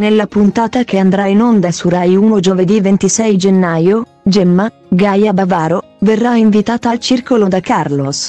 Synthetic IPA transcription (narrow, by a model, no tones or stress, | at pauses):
nelːapunt̪aːt̪akeand̪ɾainond̪asuɾajuːnod͡ʒoved̪ivent̪isɛjd͡ʒenːaːjo | d͡ʒɛmːa | ɡajabavaːɾo | verːaiɱvit̪aːt̪alt͡ʃirkolod̪akarlos